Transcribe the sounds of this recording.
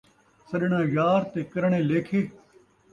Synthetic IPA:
sɐɗɳãːjjaːɾt̪eːkɐɾɳẽːleːkʰeː

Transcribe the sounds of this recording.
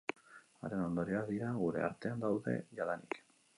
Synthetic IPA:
a̰ɾeno̞nd̪o̞ɾiaðiɾaɣuɾe̞̰a̰ɾt̪e̞and̪awðe̞̰ʝaðanik

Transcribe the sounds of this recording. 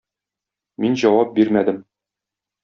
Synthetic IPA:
minʑɒwɑp̚biɾmæd̪ɘm

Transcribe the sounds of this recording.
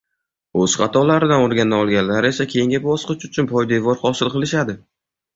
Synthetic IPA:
oz̥χɑt̪ʰɒlaɾɪd̪anoɾɡʲand̪aɒlˠɡʲanlaɾe̞sakʲʰe̞jɪŋɡʲabɒsqɨt͡ʃʊt͡ʃʰʊnpʰɒjd̪e̞vɒɾχɒsɪlˠqɨlˠɪʃad̪ɪ

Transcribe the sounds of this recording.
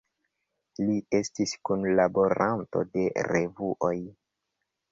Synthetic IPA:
lie̞stiskunlabo̞ɾʔanto̞̰de̞ɾevuʔo̞j

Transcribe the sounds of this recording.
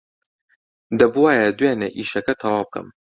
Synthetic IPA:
d̪ɐbuwaːjɐd̪weːneʔiːʃɐkɐt̪ʰɐwaːb̚kʰɐ̰m

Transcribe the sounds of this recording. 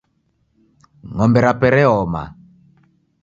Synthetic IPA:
ŋɔmbɛɾapɛɾɛɔma̰

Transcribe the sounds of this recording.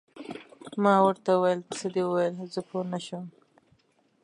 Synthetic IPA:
mɑwəɾt̪auwajələsəd̪ewəwajəlzəpʰonaʃəm

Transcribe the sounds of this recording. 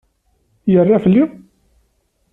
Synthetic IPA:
jərˤːafəlːi

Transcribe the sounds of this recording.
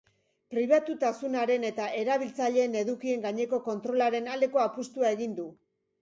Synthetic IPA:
pɾiβ̞at̪ut̪asunaɾe̞ne̞t̪aʔe̞ɾaβ̞ilt͡saʎe̞ːne̞ðukie̞ŋɡaɲe̞ko̞ko̞nt̪ɾo̞laɾe̞nald̪e̞ko̞apust̪uae̞ɣind̪u

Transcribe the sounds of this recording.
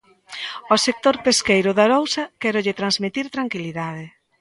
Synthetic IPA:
ɔsek̚t̪oɾpeskejɾʊðɐɾowsɐkɛɾʊʎɪt̪ɾanzmit̪iɾt̪ɾaŋkiliðaðɪ

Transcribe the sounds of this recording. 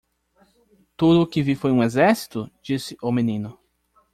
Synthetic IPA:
t̪ud̪ʊːkɪvifojũezɛɾsi̥t̪ʊd͡ʒisɪʔʊmenĩnʊ

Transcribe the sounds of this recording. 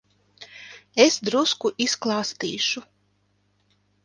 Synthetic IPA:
esd̪ɾuskuʔisklˠɑːst̪ḭːʃu

